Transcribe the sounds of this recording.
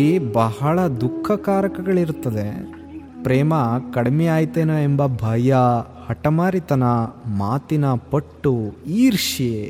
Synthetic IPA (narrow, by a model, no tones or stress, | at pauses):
ibɐɦɐɭɐd̪ukʰːɐkaːɾɐkɐɡɐɭiɾut̪ːɐd̪e | pɾeːmɐkɐɽɐmeaːjt̪eːnɐembɐbʱɐjɐ | hɐʈɐmaːɾit̪ɐnɐmaːt̪inɐpɐʈːuiːɾiʂie